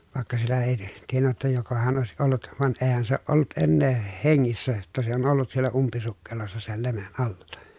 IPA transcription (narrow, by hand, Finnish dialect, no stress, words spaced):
ʋɑˑekːɑ sielːæ eˑi tienːæ jotːɑ jokohɑn oˑesiʔ ʔolːut ʋɑn eːhæn se oːʔ ʔolːut enːeː heŋːisːæ jotːɑ se on olːut sielːæ umpisukːelosːɑ sel lemen ʔɑlːɑ